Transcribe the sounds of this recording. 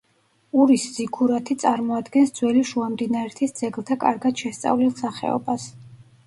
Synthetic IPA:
uɾisz̥ikʰuɾat̪ʰit̪sʼaɾmɔad̪ɡɛnsd̪zwɛliʃuamd̪inaɛɾt̪ʰisd̪z̥ɛɡlˠt̪ʰakʼa̰ɾɡad̪̥ʃɛst̪sʼa̰vlilˠsaχɛ̰ɔ̰bas

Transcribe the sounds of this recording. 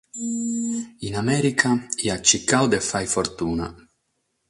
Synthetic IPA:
inamɛːɾikʰaiat͡ʃːikːawd̪efːajfoɾt̪uːna̰

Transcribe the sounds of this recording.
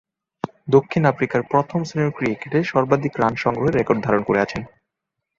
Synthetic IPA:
d̪okʰːinafɾikaɾpɾot̪ʰomseneɾkɾikeʈeʃɔɾbad̪ʱikɾanʃɔŋɡɾoɦeɾːekoɾɖ̚d̪ʱaɾonkoɾeat͡ɕʰen

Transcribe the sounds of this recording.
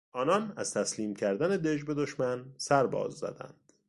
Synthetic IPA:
ʔɒːnɒːnæz̥t̪ʰæsliːmcʰæɾd̪æne̞d̪e̞d͡ʒbe̞d̪o̞ʃmænsæɾbɒ̰ːzːæ̰d̪æ̰nd̪̥

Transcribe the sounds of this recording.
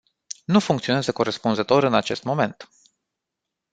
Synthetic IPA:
nufuŋkt̪sionezəko̞ɾespunzət̪o̞ɾɨnat͡ʃe̞st̪mo̞me̞nt̪

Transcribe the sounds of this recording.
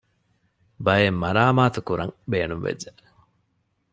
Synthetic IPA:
bɐjemːɐɾaːmaːt̪ukuɾɐŋbeːnumʋḛd͡ʒe

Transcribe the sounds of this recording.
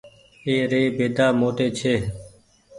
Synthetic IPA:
eːɾeːbeːd̪aːmoːʈ̪eːt͡ʃʰeː

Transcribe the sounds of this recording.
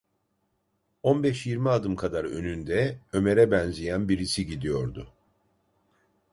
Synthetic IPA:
o̞nbɛʃjiɾmiad̪ɯmkʰad̪aɾø̞̰nynd̪ɛø̞me̞ɾɛbɛnzijænbiɾisiɟid̪ijo̞ɾd̪ʊ

